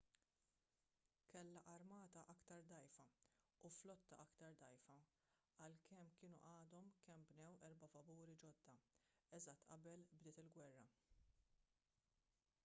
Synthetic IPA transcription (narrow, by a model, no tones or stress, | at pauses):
kɛlːɐʔɐɾmɐːt̪ɐʔɐkt̪ɐɾd̪ɐjfɐ | uflɔt̪ːɐʔɐkt̪ɐɾd̪ɐjfɐ | ɐlkɛmkɪːnṵʔɐːd̪ɔmkɛmbnɛwʔɛɾbɐfɐbuːɾid͡ʒɔd̪ːɐ | ɛzɐt̪ːʔɐbɛlbd̪ɪːt̪ɪlɡwɛrːɐ